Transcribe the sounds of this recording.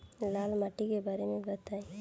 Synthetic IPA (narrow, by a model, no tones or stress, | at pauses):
laːlmaʈikebaːɾemẽbət̪aːe